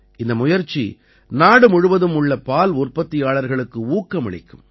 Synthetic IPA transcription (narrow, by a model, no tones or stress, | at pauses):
ʔɪnd̪ɐmʊjɐɾt͡ʃːḭ | naːɽɯmʊɻɯʋɐðɯmʊɭːɐpaːlʊrpɐt̪ːɪjaːɭɐɾɣɐɭɯkːɯuːkːɐmɪɻɪ̰kːɯ̰m